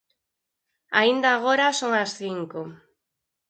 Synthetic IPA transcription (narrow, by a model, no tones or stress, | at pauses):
a̰ind̪aːɣ̞oɾasoŋasθiŋko